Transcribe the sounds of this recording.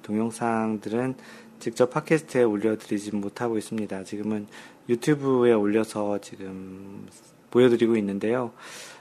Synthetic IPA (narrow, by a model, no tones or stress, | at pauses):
toŋjʌŋsʰaŋdɯɾɯn | t͡ɕik̚t͡ɕ͈ʌpʰakʰe̞sʰɯ̥tʰɯe̞oʎːʌdɯɾid͡ʑimotʰaɡois͈ɯmɲidat͡ɕiɡɯmɯnjutʰjubue̞oʎːʌsʰʌt͡ɕiɡɯm | pojʌdɯɾiɡoinːɯnde̞jo